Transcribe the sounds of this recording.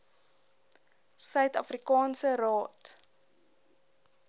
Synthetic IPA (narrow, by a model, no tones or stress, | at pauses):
sœɥtɐfrikɑːnsərɑːt